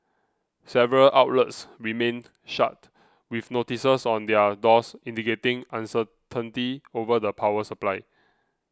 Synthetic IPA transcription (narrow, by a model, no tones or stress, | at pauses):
sɛvəɹəlʔaʊt̚lətsɹimẽn | ʃa̰t̚ | wifnotisəsɔ̃ndɛədɔsĩndiketɪ̃ŋãnsə | tʰə̃ntiovədəpʰawəsəplaɪ